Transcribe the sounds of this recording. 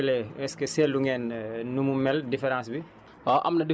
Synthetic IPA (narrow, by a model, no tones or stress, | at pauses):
lɛɛskɛsɛːlduŋɡɛːnnumumɛldifɛɾãːnsbi | ɔʔɐ̰mnɐdi